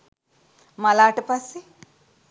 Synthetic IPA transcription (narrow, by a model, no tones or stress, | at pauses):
mɐlaːʈɐpɐsi